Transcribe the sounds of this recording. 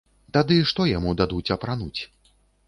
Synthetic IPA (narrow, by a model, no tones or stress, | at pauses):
t̪ad̪ɨʂt̪ɔjamud̪ad̪ut͡sʲɐpɾanut͡sʲ